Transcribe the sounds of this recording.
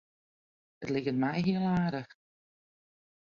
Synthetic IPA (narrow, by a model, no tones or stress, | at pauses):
ətlɪɣənmɛjɦiəlˠaːɾəx